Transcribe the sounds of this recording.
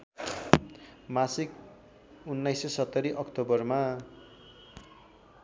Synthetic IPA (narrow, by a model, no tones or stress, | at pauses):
masik̚ | unːajsʌsʌt̪ːʌɾiʔʌkt̪obʌrma